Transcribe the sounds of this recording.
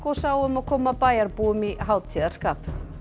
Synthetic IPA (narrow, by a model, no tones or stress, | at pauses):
kosaːwʏmaðkʰɔːmapaːjaɾpuːʏmiɦaːwt̪ʰiːðaɾskaːp